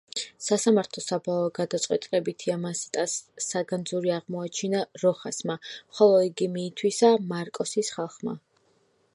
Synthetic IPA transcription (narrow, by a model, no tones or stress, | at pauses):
sasamaɾt̪ʰlˠɔsabalɔɡad̪at̪sʼwɛt̪ʼilɛbit̪ʰiamasi̥t̪ʼasːaɡand̪zuɾiaʁmɔat͡ʃʰinaɾɔχasmamχɔlˠɔiɡimiːt̪ʰwisamaɾkʼɔsisχalˠχma̰